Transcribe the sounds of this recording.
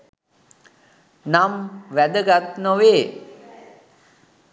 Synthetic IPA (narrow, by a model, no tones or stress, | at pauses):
namʋæd̪əɡat̪noʋeː